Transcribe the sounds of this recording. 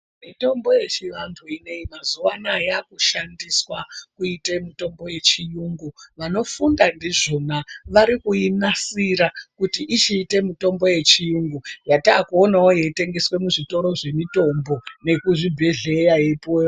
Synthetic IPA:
mito̞mbo̞je̞t͡ʃiʋantʰuine̞imazuʋanajakuʃandiswakuite̞mito̞mbo̞je̞t͡ʃijuŋɡuʋano̞fundandiʐo̞naʋaɾikuinasiɾakutiʔit͡ʃiːte̞mito̞mbo̞je̞t͡ʃijuŋɡujataːkuonaojeite̞ŋɡe̞swe̞muʐito̞ɾo̞ʐe̞mito̞mbo̞ne̞kuʐibʱeɮe̞jajepoj

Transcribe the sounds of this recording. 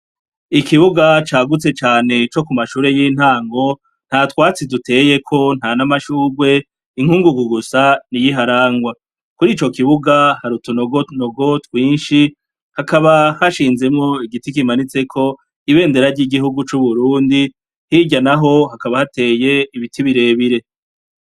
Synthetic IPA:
ikiβuɡat͡ʃaːɡut͡se̞t͡ʃaːne̞t͡ʃo̞kumaʃuːɾe̞jin̥haːŋɡo̞ | n̥hatwaːt͡sidutʰe̞ːje̞kʰo̞n̥hanamaʃuːɾwe̞ː | ŋ̥huːŋɡuɡuɡusanijiɦaɾaːŋɡwa | kuɾiːt͡ʃo̞kiβuɡahaɾutuno̞ɡo̞tuno̞ɡo̞twiːnʃi | hakaβahaʃiːnze̞mŋo̞iɡitikimanit͡se̞kʰo̞ | iβe̞ːnde̞ɾaɾɟiɡiɦuɡut͡ʃuβuɾuːndi | hiɟanaɦo̞hakaβahate̞ːje̞iβitʰiβiɾe̞ːβiɾe̞

